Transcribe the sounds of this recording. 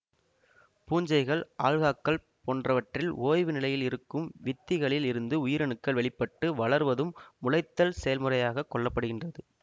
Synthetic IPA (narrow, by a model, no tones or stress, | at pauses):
puːɲd͡ʒɐɪɣɐɭʔaːlɣaːkːɐɭ | poːndrɐʋɐʈrɪlʔoːjʋɯnɪlɐjɪlɪɾɯkːɯmʋɪt̪ːɪɣɐɭɪlɪɾɯnd̪ɯʊjɪɾɐɳɯkːɐɭʋɛɭɪpːɐʈːɯʋɐɭɐɾʋɐðɯmːʊlɐɪt̪ːɐlsɛjɐlmɯrɐjaːɣɐkːɔɭːɐpːɐɽɯɣɪndrɐðɯ